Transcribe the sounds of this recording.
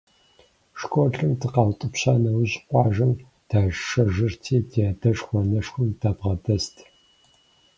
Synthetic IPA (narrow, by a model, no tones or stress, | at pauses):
ʂkʷʼɔɬɨmtʰɨqɑwtʼɨpɕaːnɐwʑqʷʼɑːʒɐm | d̥aːʒʂɐʒɨrtʰiːtʰiadɐʂxʷɔnɐʂxʷʊmdaːbʁɐdɐstʰ